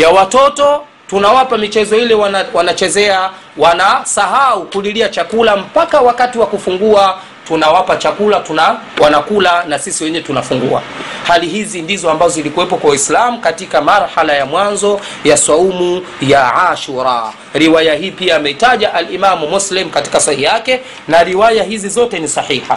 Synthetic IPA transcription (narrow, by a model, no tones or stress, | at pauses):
jawatɔtɔ | tunawapamit͡ʃɛzɔilɛwawanat͡ʃɛzɛa | wanasaɦaukuliliat͡ʃakulam̩pakawakatiwakufuŋɡua | tunawapat͡ʃakulatunawanakulanasisiwɛɲɛtunafuŋɡua̰ | haliɦizindizɔambazɔzilikuwɛpɔkwawaislamukatikamaɾhalajamwanzɔ | jasaumu | jaʕaʃuɾa | ɾiwajaɦiːpiaːmɛitaʄaʔalimamumuslim̩kati̥kasahijakɛ | naɾiwajaɦizizɔtɛnisaħiha